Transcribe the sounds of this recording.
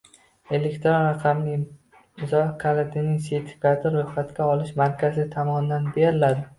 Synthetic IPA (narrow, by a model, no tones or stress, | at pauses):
e̞le̞kʲt̪ɾonɾɑqʰɑmnɪ | ɪzɒkʰalat̪ʰɪnɪŋset̪ʰɪ̥kʲat̪ʰɪɾːojχat̪kʲaɒlɪʃmaɾkʲʰazɪt̪ʰɒmɒnɪd̪anb̪ejaɾɪlad̪ɪ